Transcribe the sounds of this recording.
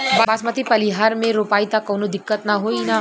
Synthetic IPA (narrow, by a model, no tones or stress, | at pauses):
babaːsmət̪ipɐliɦaːɾmẽɾoːpaːit̪akoːnod̪ɪkːət̪nɐɦoːina